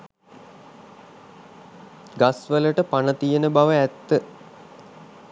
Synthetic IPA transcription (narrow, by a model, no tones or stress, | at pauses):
ɡasʋələʈəpanət̪ijənəbaʋəæt̪ːə